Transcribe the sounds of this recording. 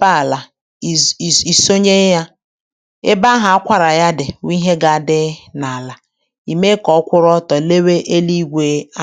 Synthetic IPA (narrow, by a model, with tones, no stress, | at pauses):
ba˦˨la˨ | i˨so˦ɲe˦ja˦ | e˦ba˦ɦa˨a˦kʷa˨ɾa˨ja˦dɪ˨wi˦ɦe˦ɡa˨dɪ˦na˨a˨la˨ | i˨me˦kɔ˨˦kʷʊ˦ɾɔ˦tɔ˨le˦we˦ʔe˦li˦ɡʷe˨˦a˦